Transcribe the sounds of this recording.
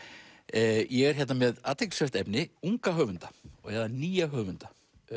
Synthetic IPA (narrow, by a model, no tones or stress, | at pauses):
jɛɣɛɾ̥çɛt̪namɛðaːt̪eklsɛft̪ɛpnɪuŋkaɦœɣvʏnt̪ḁɔ̰ɣjɛðaniːjaɦœːɣvʏnt̪ḁ